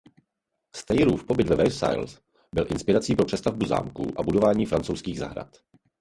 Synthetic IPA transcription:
st̪ɛjɾuːfpo̞bɪd̪vɛvɛsa̰jls | bɪlʔɪnspɪɾat͡siːpɾo̞pr̥ɛst̪avbuza̰ːmkṵʔabudo̞vaːɲiːfɾant͡so̞wskiːɣza̰ɦɾa̰t̪

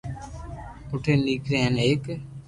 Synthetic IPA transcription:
ʊʈʰeːniːkɾeɦɛneːk

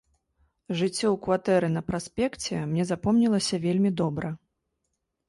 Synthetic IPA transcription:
ʐɨt͡sʲːɔwkvat̪ɛɾɨnɐpɾasʲpʲɛkt͡sʲɛmnʲɛzapɔmnʲilˠɐsʲɐvʲelʲmʲid̪ɔbɾɐ

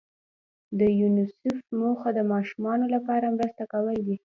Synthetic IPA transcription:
d̪əjunɪsʊfmoxad̪əmɑʃumɑnolapɑɾamɾəst̪akawəld̪i

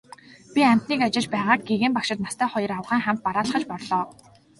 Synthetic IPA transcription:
pʲiæm̥ʲt̪niːkat͡ɕɪ̆ɮt͡ɕpæːʁaːk̚ɡeɣeːmpakʃɪ̆t̪nast̪ʰæːχɔjɞ̆rawʁæːŋχæm̥ʲt̪̚paɾaːɮə̆χə̆t͡ɕpɔrɮɔː

